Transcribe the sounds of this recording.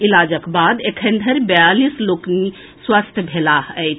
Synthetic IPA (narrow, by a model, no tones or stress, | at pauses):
ilad͡ʒəkbad̪ekʰə̃nd̪ʱəɾbejalislokni | swast̪ʰjəbʱelaɦəjt͡ʃʰ